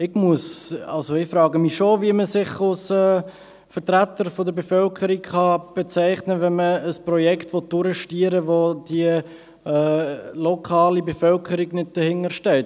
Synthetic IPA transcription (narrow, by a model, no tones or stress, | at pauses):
ɪɡmuəsɑ̰lsoɪfɾɑːɡəmiʃoviəməsɪχalsɛː | fəɾtɾætəɾfodəbefœlkʰəɾikχɑb̥et͡sæɪχnəvɛnməːsprɔjɛktʋot̚d̥ʊɾəʃtiəɾəvod̥iə | ɛlɔkʰɑːlibefœlkʰəɾiɡnɪd̚d̥əhɪŋəɾʃtɛːt